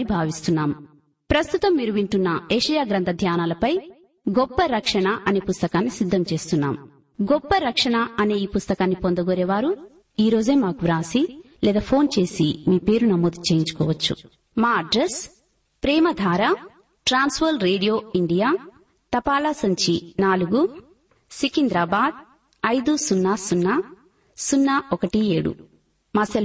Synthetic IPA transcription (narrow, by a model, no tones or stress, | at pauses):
ibʱaːʋist̪unːaːm | pɾɐst̪ut̪ɐmːiːɾuʋiɳʈunːɐeːʂɐjaːɡɾɐnt̪ʰɐd̪ʱjaːnaːlɐpɐj | ɡɔpːɐɾɐkʂɐɳɐʔɐneːpust̪ɐkaːnːisid̪ʱːɐmt͡ʃe̞ːst̪unːa̰ːm | ɡɔpːɐɾɐkʂɐɳɐɐne̞ːiːpust̪ɐkaːnːipond̪ɐɡɔːɾeːʋaːɾu | iːɾo̞ːd͡ʒeːmaːkuʋɾaːsi | lɛːd̪aːpʰo̞ːnt͡ʃe̞ːsimiːpeːɾunɐmoːd̪ut͡ʃeːjiɲt͡ʃu̥kɔːʋɐt͡ʃːṵ | maːɐɖɾes | pɾɛːmɐd̪ʱaːɾa | ʈɾaːnsʋoːlɾeːɽijoːiɳɖijaː | t̪ɐpaːlasɐɲt͡ʃinaːluɡu | sikind̪ɾaːbaːd̪̚ | ɐjd̪usunːaːsunːaː | sunːaːɔkɐʈieːɽṵ | maːsɐl